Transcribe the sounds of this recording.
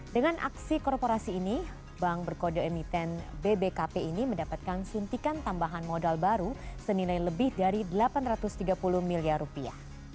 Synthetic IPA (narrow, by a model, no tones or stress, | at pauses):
dəŋanʔa̰ksikɔrpoɾasiːni | baŋbərkodoɛmit̪ɛnbebekapeiniməndapat̪̚kansunt̪ikant̪ambaɦanmodalbaɾusənilajləbɪhdaɾidəlapanrat̪ust̪iɡapuluhmiliarupia̰h